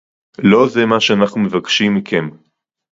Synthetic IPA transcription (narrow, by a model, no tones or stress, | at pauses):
lo̞zemaʃeanaχnume̞vakʃimːikʰem